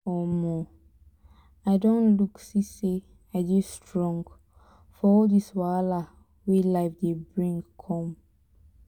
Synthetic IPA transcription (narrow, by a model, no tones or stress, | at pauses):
ɔmɔ | aɪdõnluksisi | aɪd͡ʒistɹɔ̃ŋɡ | fɔɔldiswala | wilaɪfdebɹĩŋɡkʰɔ̃m